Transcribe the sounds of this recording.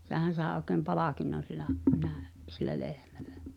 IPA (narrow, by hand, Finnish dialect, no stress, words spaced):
sehæn̞ sɑˑe oˑkem pɑlɑˑkinːon silˑæ næˑø silːæ lehmæ̥l̥æ̥